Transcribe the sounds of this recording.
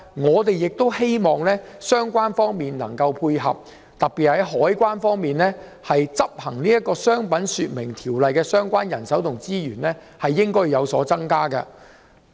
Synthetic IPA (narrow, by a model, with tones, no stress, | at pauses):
ŋɔː˨˧t̪e˨jjɪ˨k̚t̪o˥whe˥jmɔː˨ŋlɛː˥sœː˥ŋkʷaː˥nfɔː˥ŋmiː˨nlɐ̰˨˩ŋkɐ˧wpʰuː˧jɦɐ̰˨p̚ | t̪ɐ˨k̚pi˨t̚hɐ˨˥jɦɔː˨˥jkʷaː˥nfɔː˥ŋmiː˨nlɛː˥ | hɐ˨jt͡sɐ˥p̚hɐ˨˩ŋniː˥jɐ˥t̚kːɔː˧sœː˥ŋpɐ˨˥nsyː˧t̚mɪ˨˩ŋt̪ʰiː˨˩wlɐ˨jkɛː˧sœː˥ŋkʷaː˥njɐ˨˩nsɐ˨˥wt̪ʰʊ˨˩ŋt͡siː˥jyː˨˩nlɛ˥ | hɐ˨jːɪ˥ŋkɔː˥ɥjːɐ˨˧wsɔː˨˥t͡sɐ˥ŋkaː˥kɐ̰˧